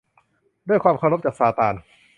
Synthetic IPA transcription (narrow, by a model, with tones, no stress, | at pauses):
du˥˩əjkʰwaː˧mkʰa˧wɾo˦˥p̚t͡ɕaː˨˩k̚saː˧t̪aː˧n